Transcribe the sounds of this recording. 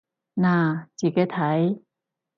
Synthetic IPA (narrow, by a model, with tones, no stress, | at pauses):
naː˧˩t͡ɕiː˨˩ka˦˥t̪ʰa˨˧˦j